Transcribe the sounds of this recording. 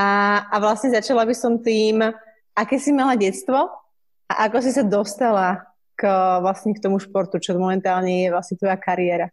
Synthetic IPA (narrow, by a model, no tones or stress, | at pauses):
aːʋlasɲɛzat͡ʃalabisɔmt̪iːm | ʔakɛːsimalaɟɛtt͡st̪ʋɔ | ʔa̰ʔakɔs̬isad̪ɔst̪ala | kʋlasɲɛkt̪ɔmuʃpɔɾt̪ut͡ʃɔmɔmɛnt̪aːlɲɛjɛʋlasɲɛt̪ʋɔjakaɾiɛɾa